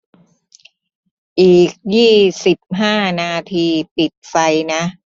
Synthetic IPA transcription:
ʔiː˨˩k̚jiː˥˩si˨˩p̚ɦaː˥˩naː˧t̪ʰiː˧pi˨˩t̪̚fa˧jna˦˥ʔ

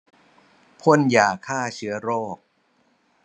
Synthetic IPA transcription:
pʰo˥˨njaː˨˩kʰaː˥˩t͡ɕʰɯ˩˦˥ɐɾoː˥˩k̚

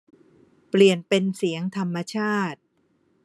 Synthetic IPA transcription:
pli˨˩ənpe˧nsi˩˦əŋt̪ʰa˧mːa˧t͡ɕʰaː˥˩t̪̚

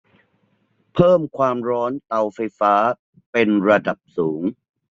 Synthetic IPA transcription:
pʰɤː˥˩mkʰwaː˧mɾɔː˦˥nt̪a˧wfa˧jfaː˦˥ | pe˧nɾa˧da˨˩p̚suː˩˦ŋ

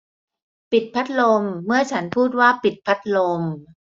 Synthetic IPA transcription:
pi˨˩t̪̚pʰa˦˥t̪̚lo˧mːɯ˥˩ɐt͡ɕʰa˦˥npʰuː˥˩t̪̚waː˥˩pi˨˩t̪̚pʰa˦˥t̪̚lo˧m

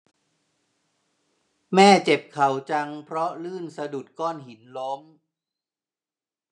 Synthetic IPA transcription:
mɛː˥˩t͡ɕe˨˩p̚kʰa˨˩wt͡ɕa˧ŋpʰɾɔ˦˥lɯː˥˩nsa˧du˨˩t̪̚kɔː˥˩nɦi˩˦nlo˦˥m

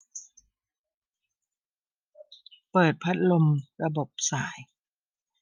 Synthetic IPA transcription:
pɤː˨˩t̪̚pʰa˦˥t̪̚lo˧mɾa˧bo˨˩p̚saː˩˦j

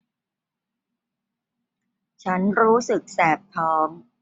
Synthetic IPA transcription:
t͡ɕʰa˦˥nɾuː˦˥sɯ˨˩k̚sɛː˨˩p̚p̪ʰːɔː˦˥m

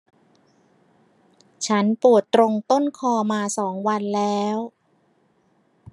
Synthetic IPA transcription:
t͡ɕʰa˦˥npu˨˩ət̪ːɾo˧ŋt̪o˥˩nkʰɔː˧maː˧sɔː˩˦ŋwa˧nlɛː˦˥w

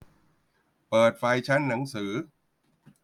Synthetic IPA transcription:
pɤː˨˩t̪̚fa˧jt͡ɕʰa˦˥nːa˩˦ŋsɯː˩˦

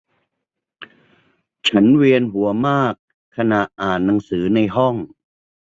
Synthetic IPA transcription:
t͡ɕʰa˦˥nweː˧ənɦu˩˦ɐmaː˥˩kʰː | a˧na˨˩ʔʔaː˨˩nːa˨˦ŋsɯː˩˦na˧jɦɔ˥˩ŋ

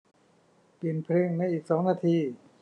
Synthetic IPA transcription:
pi˨˩npʰɾɯː˧˥˩ŋna˧˥˩jʔiː˨˩k̚sɔː˩˦ŋnaː˧t̪ʰiː˧˩

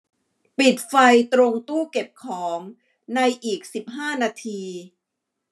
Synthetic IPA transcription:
pi˨˩t̪̚fa˧jt̪ɾo˧ŋt̪uː˥˩ke˨˩p̚kʰɔː˩˦ŋ | na˧jʔiː˨˩k̚si˨˩p̚ɦaː˥˩naː˧t̪ʰiː˧

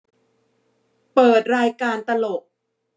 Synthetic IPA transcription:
pɤː˨˩t̪̚ɾaː˧jkaː˧nt̪a˧lo˨˩k̚

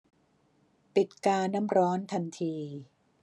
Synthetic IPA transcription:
pi˨˩t̪̚kaː˧nːa˦˥mɾɔː˦˥nt̪ʰa˧nt̪ʰiː˧

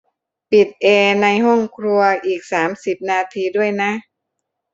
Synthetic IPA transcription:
pi˨˩t̪̚ʔeː˧na˧jɦɔ˥˩ŋkʰɾu˧ɐʔiː˨˩k̚saː˩˦msi˨˩p̚naː˧t̪ʰiː˧du˥˩əjna˦˥ʔ

